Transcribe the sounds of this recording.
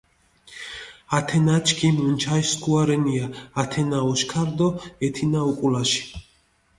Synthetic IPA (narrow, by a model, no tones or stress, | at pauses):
at̪ʰɛnat͡ʃʰkʰʼimunt͡ʃʰajskʰuaɾɛniaːt̪ʰɛnaɔʃkʰaɾd̪ɔɛt̪ʰinaukʼulaʃi̥